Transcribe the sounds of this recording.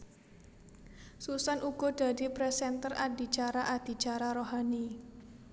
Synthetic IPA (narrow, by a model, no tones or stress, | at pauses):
susanʔuɡ̥ɔ̤d̥a̤dipɾɛsɛnt̪əra̰di̤t͡ʃaɾaʔad̪̥i̤t͡ʃaɾaɾoɦani